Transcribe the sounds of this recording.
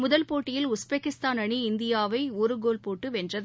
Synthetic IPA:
mʊðɐlpoːʈːɪjɪlʊsbekːɪst̪aːnɐɳiɪnd̪ɪjaːʋɐɪɔɾɯɡoːlpoːʈːɯʋɛndrɐðɯ

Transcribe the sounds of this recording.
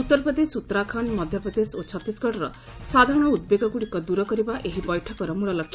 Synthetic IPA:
ut̪ːɔɾpɾɔd̪esut̪ːɔɾakʰanmɔd̪ʱjɔpɾɔd̪esot͡ʃʰɔt̪ːisɡɔʈɔɾɔ | sad̪ʱaɾɔɽ̃ɔud̪̚beɡɔɡuɽikɔd̪uɾɔkɔɾibaʔeɦibɔjʈʰɔkɔɾɔmuɭɔlɔkʰːja

